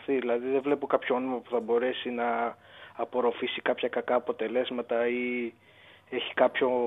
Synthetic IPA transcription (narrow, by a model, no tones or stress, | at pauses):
θiðilɐðiðevle̞pokɐpçoonomɐpu̥θɐbo̞ɾe̞sinɐː | po̞ɾo̞fisikɐpçɐkɐkɐːpo̞t̪e̞le̞zmɐt̪ɐi | e̞çi̥kɐpço̞